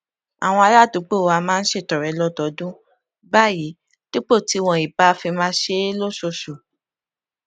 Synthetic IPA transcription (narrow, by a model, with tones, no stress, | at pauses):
a˨w̃ɔ̃˧a˧la˦˨tu˨˦k͡po˦˨wa˧mãː˦n̩˦ʃe˦˨tɔ˨ɾɛ˨˦lɔ˦˨tɔ˨˦dũ˦ | ba˦˨ji˨˦ | ti˦k͡po˦˨ti˨˦˧w̃ɔ̃˧i˨ba˦˧˦fi˧mãː˧˦ʃe˧˦lo˦˨ʃo˧ʃu˨